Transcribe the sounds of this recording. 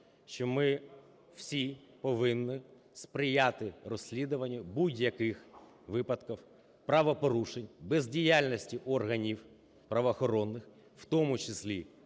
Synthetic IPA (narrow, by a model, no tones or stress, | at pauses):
ʃt͡ʃɔmɪ | w̥sʲipɔʋɪnːɪ | spɾɪjat̪ɪrɔsʲlʲid̪ʊʋɐnʲːɐbudʲjɐkɪx | ʋɪpɐd̪kɔw | pɾɐʋɔpɔɾuʃenʲbɛzʲdʲijalʲnɔsʲtʲiʔɔrɦɐnʲiw | pɾɐʋɔːxɔɾɔnːɪx | wt̪ɔmʊt͡ʃesʲlʲi